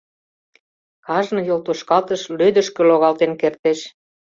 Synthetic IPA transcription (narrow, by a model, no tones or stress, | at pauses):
kɑʒnɤ̆jolt̪oʃkɑlt̪əʃlød̪ə̆ʃkø̆loɣɑlt̪enkert̪eʃ